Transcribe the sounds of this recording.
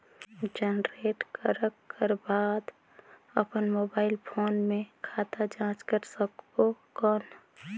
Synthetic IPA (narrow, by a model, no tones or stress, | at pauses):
d͡ʒənɾeʈkəɾəkːəɾbad̪ | əpənmoːbaːɪlpʰoːnmẽkʰat̪ad͡ʒãt͡ʃkəɾsəkbokɔn